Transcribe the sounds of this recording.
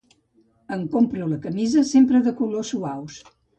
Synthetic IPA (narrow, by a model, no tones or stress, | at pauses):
əŋkompɾuləkəmizəsempɾəðəkulosuaws